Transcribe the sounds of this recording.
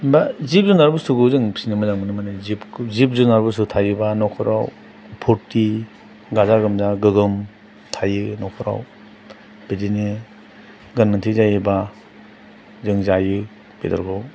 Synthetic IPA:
bazip̚zunaɾbɯstuɡɯzɯŋpsinamazaŋmɯnɯmanezipzip̚zunaɾbustutʰajɯbanɔkʰɔɾa̰w | pʰɔtːi | ɡazaɡɯmzaɡɯɡɯm | tʰajɯnɔkʰɔɾa̰w | b̥edine | ɡɐnmantʰizajiba | zɯŋzajɯ | b̥ḛda̰ɾkʰɔw

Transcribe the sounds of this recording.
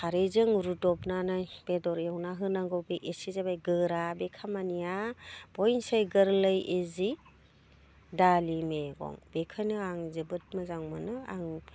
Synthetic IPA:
kʰaɾejzɯŋɾudɔpnanajb̥edɔɾjewnaɦɯnaŋɡɔwbeʔesizabajɡɯɾabekʰamanijab̥ɔjnsajɡɯɾlɯjezi | dalimeɡɔ̰ŋbekʰajnɯaŋzɯbɯt̚mɯzaŋmɯnɯa̰ŋ

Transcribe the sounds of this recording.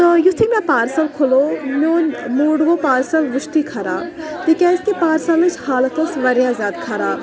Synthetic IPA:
t̪ojust̪ʰikmʲɛ̃paːɾsɐlkʰulomʲoːnmuːɽɡopaːɾsɐlʋuʃt̪ikʰɐɾaː | t̪ikʲaːst̪ipaːɾsɐlmɨt͡ʃʰhaːlkɐsʋɐɾjaːzʲjaːd̪kʰaɾaː

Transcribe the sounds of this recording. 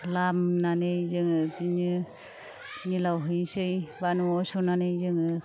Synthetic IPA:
lamnanɯjzɯŋɯpinɯ | nilawɦɯjsɯjbanuɔsɔnanɯjzɯŋɯ

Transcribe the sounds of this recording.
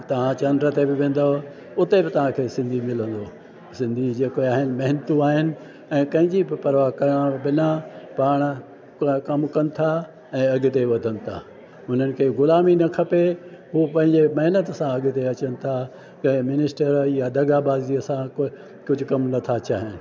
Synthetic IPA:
t̪ɐʋ̤ãt͡ɕɐnd̪ɾət̪ebɪʋẽːn̆d̪o | ʊt̪ebɪt̪ɐʋ̤ãkʰeːsɪ̃nd̪ʱimɪlə̃nd̪oː | sɪ̃nd̪ʱid͡ʑeːkoaːɦɪnɪ̆mɐɦɪnət̪ũaːɦɪnɪ̆ | ɛ̃ːkɐ̃ɦɪ̃ɲd͡ʑibɪpɐɾʋaɦkɐɾɽ̃bɪnapaːɽ̃ | kɐmkɐnɪ̆t̪ʰa | ɛ̃ːɐɡɪ̆t̪eʋɐd̪ʱənɪ̆t̪ʰa̰ː | ɦʊn̤ənɪ̆kʰeːɡʊlaːminɐkʰɐpeɦupɐ̃ɦɪ̃ɲd͡ʑemɐɦɪnət̪sãɐɡɪ̆t̪eɐt͡ɕənɪ̆t̪ʰa | kẽmɪnɪsʈəɾjad̪ɐɡabaːziɐsãk | kʊd͡ʑʱʊkɐmnɐt̪ʰat͡ɕʰaːɦɪnɪ̆

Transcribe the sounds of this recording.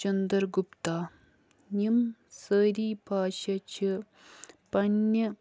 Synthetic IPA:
ɐnd̪ɐɾɡupt̪aː | nimsəːɾiːbʱaːʃɐt͡ʃʰi | pɐnːɐ

